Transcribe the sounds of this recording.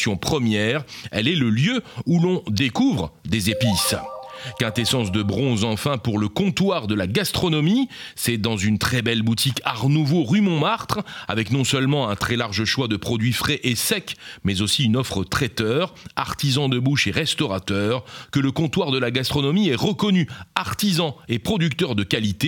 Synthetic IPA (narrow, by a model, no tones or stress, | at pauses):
jɔ̃pχəmjɛʁɛ̰lɛləljøulɔ̃d̪ekuvʁd̪ezepiskɛ̃t̪esɑ̃s̬d̪əbʁɔ̃zɑ̃fɛ̃puʁləkɔ̃t̪waʁd̪əlaɡast̪χɔnɔmi | sɛd̪ɑ̃zynt̪χɛbɛlbut̪ikaʁnuvoʁymɔ̃maʁt̪χa̰vɛknɔ̃sœlmɑ̃ɛ̃t̪χɛlaʁʒəʃwad̪əpχɔd̪ɥifχɛʔesɛkmɛzosiynɔfχət̪χɛt̪œʁaʁt̪izɑ̃d̪əbuʃeʁɛst̪ɔʁat̪œːʁkələkɔ̃t̪waʁd̪əlaɡast̪χɔnɔmiɛʁəkɔnyaʁt̪izɑ̃epχɔd̪ykt̪œʁd̪əkalit̪e